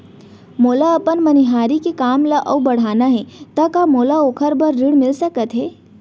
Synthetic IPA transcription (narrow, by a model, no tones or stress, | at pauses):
moːlaəpənməniɦaːɾikekaːmlaʔəubəɽ̤aːnaɦɛt̪əkamoːlaoːkʰəɾbəɾːiɽmɪlsəkət̪ɦɛ